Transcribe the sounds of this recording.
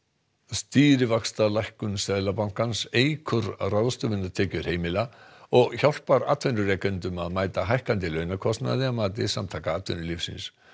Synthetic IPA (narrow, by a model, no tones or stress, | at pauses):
st̪iːɾɪvakst̪alajhkʏnsɛðlapawŋ̥kanseːjkʰʏɾraðst̪ʏvɪnːḁt̪ʰɛːcʏɾ̥heːjmɪlaɔɣçawl̥paɾa̰ːt̪ʰvœnʏrɛːkʏnt̪ʏmaðmaːjt̪aɦajhkant̪̬ɪlœːɥnakʰɔst̪na̰ðɪamaːt̪̬ɪsamt̪ʰaːkaaːt̪ʰvœnʏlifsḭns